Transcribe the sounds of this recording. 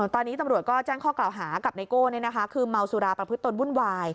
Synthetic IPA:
t̪ɔː˧nːiː˦˥t̪a˧mɾu˨˩ət̪̚kɔː˥˩t͡ɕɛː˥˩ŋkʰɔː˥˩klaː˨˩wɦaː˩˦ka˨˩p̚na˧jkoː˥˩ni˥˩na˦˥kʰa˦˥kʰɯː˧ma˧wsuː˧ɾaː˧pɾa˧pʰɯ˦˥t̪ːo˧nwu˥˩nwaː˧j

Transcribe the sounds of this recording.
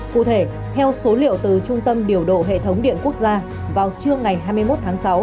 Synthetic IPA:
kṵ˧˨t̪ʰe˧˩ | t̪ʰɛ˧wso˨˦lḭ˧˨əwt̪ɨ˨˩t͡ɕʊ˧ŋ͡mt̪ə˧mɗi˨˩əwɗo̰˧˨ɦḛ˧˨t̪ʰə˨˦wŋ͡mɗḭ˧˨ənku˦˥ək̚zaː˧ | vaː˨˩wt͡ɕɨ˧əŋa˨˩jɦaː˧jmɨ˧jmo˦˥t̚t̪ʰaː˨˦ŋsa˨˦w

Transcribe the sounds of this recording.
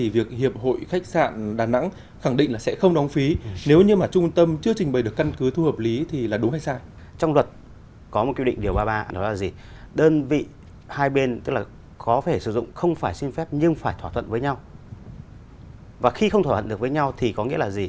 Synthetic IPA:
t̪ʰi˨˩vi˨˩ək̚hi˨˩əp̚ho̰˧˨jxa˦˥k̟̚sa̰ː˧˨nɗaː˨˩na̰˧˥ŋ | xa˧˩ŋɗḭ̈˧˨ŋ̟laː˨˩sɛ̰˧˥xə˧wŋ͡mɗɔ˨˦wŋ͡mfi˨˦ne˨˦wɲɨ˧maː˨˩t͡ɕʊ˧ŋ͡mt̪ə˧mt͡ɕɨ˧ət͡ɕi˨˩ŋ̟ɓəː˨˩jɗɨ˨˩əka˧nkɨ˨˦t̪ʰu˧həː˨˩p̚li˨˦t̪ʰi˨˩laː˨˩ɗʊ˨˦ŋ͡mha˧jsaː˧j | t͡ɕɔ˧wŋ͡mlwə˨˩t̚ | kɔ˨˦mo˨˩kw̰ŋ̟ɗi˨˩əwɓaː˧ɓaː˧nɗɔ̰˨˦laː˨˩zi˨˩ | ɗəː˧nvḭ˧˨ | haː˧jɓe˧nt̪ɨ˦˥k̚laː˨˩ | kɔ˨˦t̪ʰe˧˩sɨ̰˧˩zʊ̰˧˨ŋ͡mxə˧wŋ͡mfaː˧˩jsi˧nfɛ˦˥p̚ɲɨ˧ŋfaː˧˩jt̪ʰwaː˧˩ə̰˧˨nvəː˨˦ɲa˧w | vaː˨˩xi˧xə˧wt̪ʰwaː˧˩ə˧˨ɗk̚vəː˨˦ɲa˧wt̪ʰi˨˩kɔ˨˦ŋḭ˧˥əlaː˨˩zi˨˩

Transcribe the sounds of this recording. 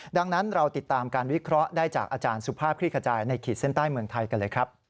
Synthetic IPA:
da˧ŋna˦˥nɾa˧wt̪i˨˩t̪ːaː˧mkaː˧nwi˦˥kʰɾɔ˦˥ʔdaː˥˩jt͡ɕaː˨˩k̚ʔaː˧t͡ɕaː˧nsu˨˦˩pʰaː˥˩p̚kʰɾiː˥˩kʰa˧t͡ɕaː˧jna˧jkʰiː˨˩se˦˥˩nt̪aː˥˩jmɯ˧əŋt̪ʰa˧jka˧nlɤː˧jkʰɾa˦˥p̚

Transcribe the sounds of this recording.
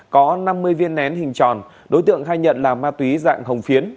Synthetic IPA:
kɔ˨˦na˧mːɨ˧əjvi˧ənːɛ˨˦nhï˨˩ŋ̟t͡ɕɔ̰˧˨n | ɗo˨˦jt̪ɨ̰˧˨əŋɦaː˧jɲə̰˧˨nlaː˨˩maː˧t̪wi˨˦za̰ː˧˨ŋɦə˨˩wŋ͡mfi˨˦ən

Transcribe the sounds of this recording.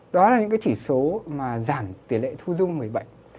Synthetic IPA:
ɗɔ˨˦laː˨˩ɲɨ̰˧˥kaː˨˦t͡ɕi˧˩so˨˦maː˨˩zaː˧˩ŋt̪i˨˩əlḛ˧˨t̪ʰu˧zʊ˧ŋ͡mmɨ˨˩əjɓə̰˧˨jʔ

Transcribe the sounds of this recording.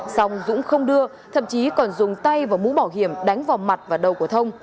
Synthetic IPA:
sɔ˨˧wŋ͡mzʊ̰˧˥ŋ͡mxə˧wŋ͡mɗɨ˧ə | t̪ʰə̰˧˨mt͡ɕi˨˦kɔ˨˩nzʊ˨˩ŋ͡mt̪a˧jvaː˨˩mṵ˧˥ɓaː˧˩wɦi˧˩əmɗa˨˦jŋ̟vaː˨˩wma˨˩t̚vaː˨˩ɗə˨˩wku˧˩ət̪ʰə˧wŋ͡m

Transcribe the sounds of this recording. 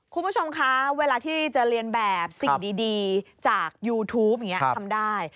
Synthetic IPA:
kʰu˧nbu˥˩o˧mkʰa˦˥weː˧laː˧t̪ʰiː˥˩t͡ɕa˨˩ɾi˧ənbɛː˨˩p̚si˨˩diː˧diː˧t͡ɕaː˨˩k̚juː˧t̪ʰuː˦˥p̚ja˨˩ŋi˦˥əa˧mdaː˥˩j

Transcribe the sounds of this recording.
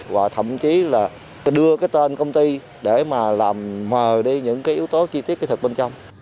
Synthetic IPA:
va̰ː˨˩t̪ʰə̰˧˨mt͡ɕi˨˦laː˨˩ | ɗɨ˧əkaː˨˦jt̪e˧nkə˧wŋ͡mt̪i˧ | ɗe˧˩maː˨˩laː˨˩mməː˨˩ɗi˧ɲɨ̰˧˥ŋkaː˨˦jʔi˨˦əwt̪o˨˦t͡ɕi˧t̪i˦˥t̚ːt̪ʰk̚ɓe˧nt͡ɕɔ˧wŋ͡m

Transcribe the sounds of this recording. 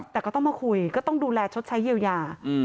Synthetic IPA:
t̪ɛː˨˩kɔː˥˩t̪ɔ˥˩maː˧kʰu˧jkɔː˥˩t̪ɔ˥˩ŋduː˧lɛː˧t͡ɕʰo˦˥t̪̚t͡ɕʰa˦˥ji˧wjaː˧

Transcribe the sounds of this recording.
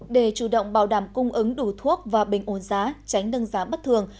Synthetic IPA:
ɗe˧˩t͡ɕu˧˩ɗə̰˧˨wŋ͡mɓaː˧˩wɗaː˧˩mkʊ˧ŋ͡mʔɨ˨˦ŋɗu˧˩t̪ʰu˦˥ək̚vaː˨˩ɓï˨˩ŋ̟ʔo˧˩nzaː˨˦t͡ɕa˨˦jŋ̟ɗə˧nzaː˨˦ɓə˦˥t̚t̪ʰɨ˨˩əŋ

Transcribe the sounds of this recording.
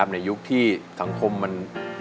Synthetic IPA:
p̚na˧ju˦˥k̚t̪ʰiː˥˩sa˩˦ŋkʰo˧mːa˧n

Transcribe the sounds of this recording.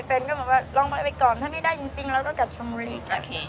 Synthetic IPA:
pe˧nkɔ˥˩ɯ˨˩˦nwaː˥˩lɔː˧ŋbɔ˦˥˧pa˧jkɔː˨˩nt̪ʰa˥˩ma˥˩jdaː˥˩jt͡ɕi˧ŋt͡ɕi˧ŋlɛː˧˦˥wkɔː˥˩ka˨˩t͡ɕʰo˧muː˧liː˥˩k̚a˧˩˧

